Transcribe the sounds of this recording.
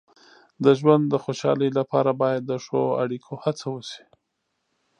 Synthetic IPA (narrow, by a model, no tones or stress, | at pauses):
d̪əʒwand̪d̪əxoʃɑ̰ləjlapɑɾabɑjad̪ːəʂoa̰ɽikʰohat͡sawəsi̥